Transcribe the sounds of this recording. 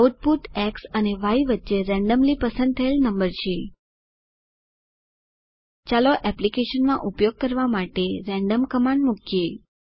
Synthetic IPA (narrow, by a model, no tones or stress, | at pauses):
ʈ̚puʈɛksəneʋaiʋətːʃeɾɛ̃ɳɖəmlipəsə̃nd̪̚t̪ʰəelnəmbəɾt͡ʃʰe | t͡ʃaloʔɛplikeʃənmãʔupjoɡ̚kəɾʋamaʈeɾɛ̃ɳɖəmkəmãɳɖmukʰje